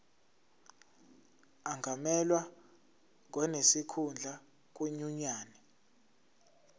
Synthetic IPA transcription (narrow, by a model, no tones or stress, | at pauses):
aŋɡʱamɛlwa | ŋʱwɔnesikʰund͡ɮʱa | k̬ʼweɲuɲaːnɛ